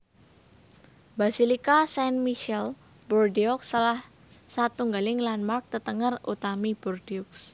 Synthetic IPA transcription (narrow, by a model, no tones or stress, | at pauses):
basilikasɛnmiʃɛl | bɔrdiɔksalah | sat̪uŋɡalɪŋlanmark̚t̪ət̪əŋərut̪amib̥ɔrdiɔks